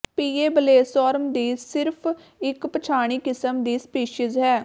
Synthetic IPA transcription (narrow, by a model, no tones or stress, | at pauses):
piːeːbəleːsɔːɾəmd̪iːsɪɾpʰ | ɪkpət͡ʃʰaːɽ̃iːkɪsəmd̪iːspiːʃɪzɦɛː